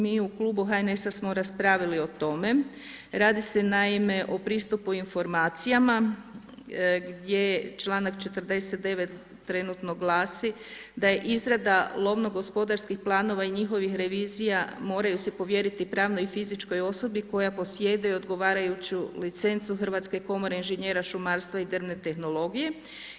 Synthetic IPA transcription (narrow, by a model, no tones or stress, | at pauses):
miːukluːbuɦaene̞sasmo̞ɾaspɾaːʋilio̞t̪o̞me̞ | ɾaːd̪ise̞naime̞ʔo̞pɾiːst̪upuinfo̞ɾmaːt̪sijama | ɡd̪je̞t͡ʃlˠaːnakt͡ʃe̞t̪r̩d̪e̞set̪̚d̪e̞ʋe̞t̪ː | ɾe̞nut̪no̞ɡlˠaːsi | d̪aje̞ʔizɾad̪alˠo̞ʋno̞ɡo̞spo̞d̪aɾskixplˠaːno̞ʋaiɲixo̞ʋixɾe̞ʋiːzijamo̞ːɾajusepo̞ʋje̞ɾit̪ipɾaːʋno̞jifizit͡ʃko̞jo̞so̞biko̞japo̞sje̞d̪ajuod̪ɡo̞ʋaːɾajut͡ɕulit̪se̞nt̪suxrʋat̪ske̞ko̞mo̞ɾe̞inʒeɲeːɾaʃumaɾst̪ʋaid̪ɾmne̞t̪e̞xno̞lˠo̞ɡije̞